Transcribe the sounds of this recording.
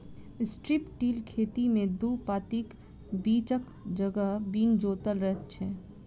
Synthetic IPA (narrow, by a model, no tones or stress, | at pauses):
ɪsʈɾɪpʈiːlkʰeːt̪imẽd̪uːpaːt̪ik | biːt͡ʃək | d͡ʒəɡəɦbiːnd͡ʒoːt̪əlɾɛɦt̪t͡ʃʰɛː